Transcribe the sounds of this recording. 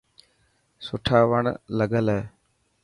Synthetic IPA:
sʊʈʰaːʋəɳləɠəlɛː

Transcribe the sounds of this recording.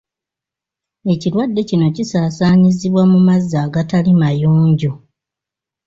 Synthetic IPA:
e̞cilwadːe̞cino̞cisaːsaːɲiziβwamumazːaːɡatalimajoːɲɟo

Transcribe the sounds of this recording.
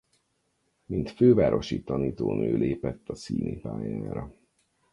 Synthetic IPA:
mint̪føːvaːɾo̞ʃit̪ɒniːt̪oːnøːlʔeːpɛt̪ːɒsiːnipaːjaːɾɒ

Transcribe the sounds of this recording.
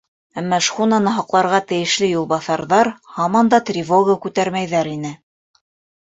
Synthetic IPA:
æmːɑʃχunɑnɤɦɑqlˠɑɾʁɑt̪ɘ̆jɘ̆ʃlɘjulˠbɑθɑɾðɑɾhɑmɑnd̪ɑt̪rʲivoɡəkʉt̪æɾmæjðæɾinɘ

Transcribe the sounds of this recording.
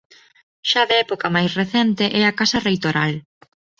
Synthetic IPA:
ʃaðɪɛpokɐmajsreθɛnt̪eʔɛakasɐrejt̪oɾal

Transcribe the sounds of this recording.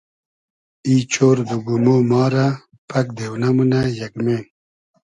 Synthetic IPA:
iːt͡ɕoːɾd̪uɡumomɑːɾa | pʰɐk̚d̪eːwnamunajɐɡmeːn

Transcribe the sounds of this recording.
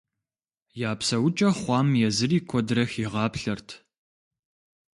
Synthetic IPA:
jaːpsɐwʊt͡ʃʼɐχʷɑːmjɛzɨriːkʷʰɔdrɐxiʁɑːpɬɐrtʰ

